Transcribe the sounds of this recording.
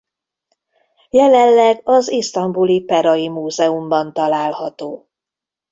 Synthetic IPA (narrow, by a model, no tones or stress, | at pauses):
jɛlɛlːɛɡɒzist̪ɒmbulipɛɾɒjimuːzɛumbɒnt̪ɒlaːlhɒt̪oː